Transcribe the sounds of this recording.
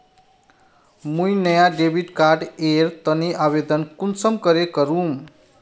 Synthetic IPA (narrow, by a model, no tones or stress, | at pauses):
mujnʌjaɖebʱiʈkaɾɖeɾt̪ʌneʔaβed̪ʌnkunsʌmkʌɾekʌɾum